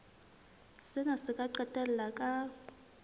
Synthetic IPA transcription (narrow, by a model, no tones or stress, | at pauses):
sɪnasɪkʼaǃɛtʼɛl̩lakʼa